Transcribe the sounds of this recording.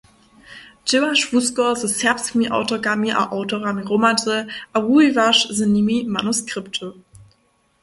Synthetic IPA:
d͡ʒɪaʃv̥uskɔzəsɛɐpsmiʔa̰ʊtoɡamiʔa̰ʔaʊtoʁamiʁomadəʔawuivaʃzənimimanuskʁ̥ɪptʰə

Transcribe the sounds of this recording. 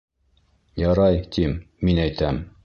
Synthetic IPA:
jɑɾɑjt̪imː | inæjt̪æm

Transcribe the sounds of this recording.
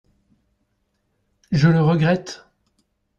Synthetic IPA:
ʒələʁəɡʁɛt̪

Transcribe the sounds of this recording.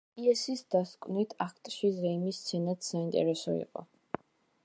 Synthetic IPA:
iɛsisd̪askʼvnit̪ʰakʰt̪ʼʃizɛimist̪sʰɛnat̪saint̪ʼɛ̰ɾɛsɔḭqʼɔ̰

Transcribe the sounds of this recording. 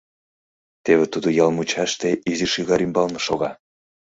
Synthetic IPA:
t̪eβet̪ud̪ojɑlmut͡ɕɑʃt̪eiziʃiɣɑɾymbɑlnŏʃoɣɑ

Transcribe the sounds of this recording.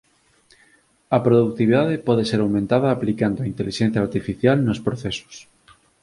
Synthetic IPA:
ɐpɾoðuk̚t̪iβiðaðepɔðeseɾawmẽnt̪aðɐːplikand̪oaint̪eliʃẽn̟θjaːɾt̪ifiθjalnospɾoθeso̥s

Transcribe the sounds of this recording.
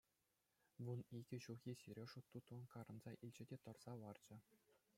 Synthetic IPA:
ʋuniɡʲɘ̆ɕuɣʲjesʲyɾʲeʂut̪ːut̪ʋɤ̆nkɑɾʔɤ̆nzɑʔilʲd͡ʑɘ̆dʲet̪ɤ̆rz̥ɑʋɑrd͡ʑɘ̆

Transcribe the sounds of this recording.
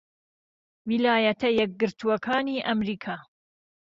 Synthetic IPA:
wilaːjɐt̪ʰɐjɛk̚ɡɨɾt̪ʰuwɐkʰaːniːʔɐmɾiːkʰaː

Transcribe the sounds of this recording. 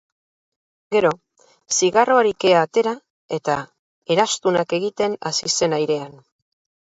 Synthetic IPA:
ɡe̞ɾo̞ | siɣaro̞aɾike̞aːt̪e̞ɾa | e̞t̪a | e̞ɾast̪unake̞ɣ̞it̪e̞nasise̞najɾe̞an

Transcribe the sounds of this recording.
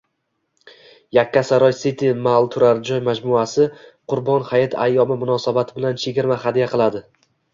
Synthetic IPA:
jakʲːasaɾɒjsɪt̪ʰɪmalˠt̪ʰʊɾaɾd͡ʒɒjmad͡ʒmʊasɪqʰʊɾbɒnhajɪt̪ʰa̰jːɒmɪmʊnɒsabat̪ʰɪbɪlant͡ʃʰeɡʲɪɾmaχad̪ijaqʰɨlˠad̪ɪ

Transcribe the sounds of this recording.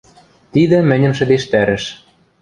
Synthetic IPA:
t̪id̪ɘ̆mɘ̆nʲɘ̆mʃɘ̆d̪eʃt̪æɾɘ̆ʃ

